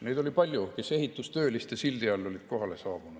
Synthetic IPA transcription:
ne̞d̪o̞lʲipɑlʲjuke̞se̞ɦit̪ːˑust̪ø̞ːlist̪ɑsild̪iɑlːo̞lʲid̪̥̚ko̞ɦɑle̞sɑːb̥unud̥

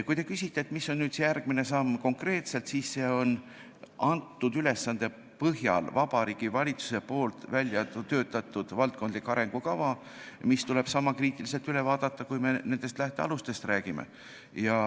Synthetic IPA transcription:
kujt̪e̞kysʲit̪ːeːt̪ˑmisːo̞nnyːd̪̥sejærɡ̥mine̞sɑmːko̞ŋkre̞ːt̪se̞lt̪siːsːe̞o̞n | ʔɑnt̪ːud̪yle̞sːɑnd̪̥e̞ | pɤɦjɑ̰lvɑb̥ɑɾiːɡ̥ivɑlʲit̪su̥se̞po̞ːlt̪vælʲjɑt̪ø̞ːt̪ːˑɑt̪ːˑud̪̥vɑlt̪̚kond̪likːɑɾe̞ŋɡ̥ukɑvɑ | mist̪ule̞b̥sɑmːɑkriːt̪ːˑilis̬e̞lt̪yle̞vɑːd̪̥ɑt̪ːɑkujme̞ne̞nd̪̥est̪læht̪e̞ɑ̰lust̪e̞st̪ræːɡ̥imḛ | jɑ

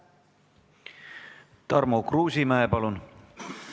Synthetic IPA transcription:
t̪ɑrmoːkruːsimæepɑlun

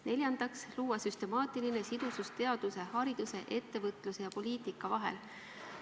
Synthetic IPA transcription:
ne̞lʲjɑnd̪̥ɑksluːɑsyst̪e̞mɑːt̪iline̞sid̪̥usust̪e̞ɑd̪̥use̞hɑɾid̪̥use̞ʔe̞t̪ːe̞vɤt̪ˑluse̞jɑpo̞liːt̪ˑikːˑɑvɑɦe̞̰l

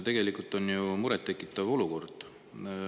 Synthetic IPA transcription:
t̪e̞ɡ̥e̞likˑult̪ːˑo̞njumuɾɛt̪ːe̞kːˑit̪ːˑɑvo̞luko̞rd̪̥

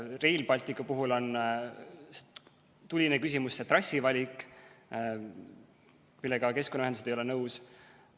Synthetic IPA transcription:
re̞jlbɑlʲt̪ikːˑupuɦulo̞n | t̪ulʲinekysʲimusːet̪rɑsːivɑlʲikˑ | milːɛɡɑke̞skonːɑæend̪use̥ejolɛenɤws

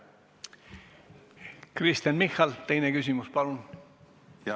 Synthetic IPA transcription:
krist̪ɑnmixːɑlt̪e̞jnekysʲimuspɑlun

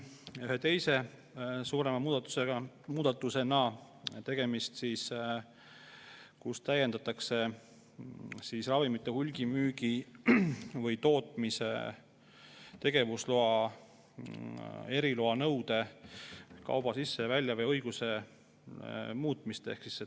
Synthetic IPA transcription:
yhe̞t̪e̞jse̞ | suːɾe̞mɑuːd̪̥ɑt̪eɑ | muːd̪̥ɑt̪ːˑuse̞nɑ | t̪e̞ɡ̥e̞mist̪sis | kust̪æje̞nd̪̥ɑt̪ːˑɑkse̞ | sisrɑvimit̪ːˑe̞hulʲɡ̥imyːɡi | vɤjt̪o̞ːt̪ˑmisḛ | t̪e̞ɡ̥e̞vusloɑ | e̞ɾiloɑnɤwd̪e̞ | kɑ̰wb̥ɑsisːe̞vælʲjɑvɤjɤ̞jɡ̥use̞ | muːt̪ˑmist̪ehksi̥sːe

